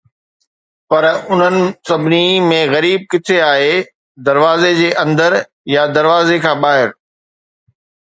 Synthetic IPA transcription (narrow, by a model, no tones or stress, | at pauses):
pɐɾʊn̤ənɪ̆sɐbʱɪnimẽɣɐɾiːb̚kɪt̪ʰeaːɦe | d̪ɐɾʋaːzed͡ʑeːʔɐ̃nd̪əɾ | jad̪ɐɾʋaːzekʰãːɓaːɦɪɾ